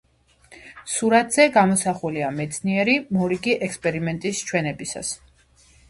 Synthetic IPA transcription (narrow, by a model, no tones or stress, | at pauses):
suɾat̪ʰz̥ɛɡamɔsaχuliamɛt̪sʰniɛɾimɔɾiɡiʔɛkspʼɛɾimɛnt̪ʼist͡ʃʰwɛnɛbisa̰s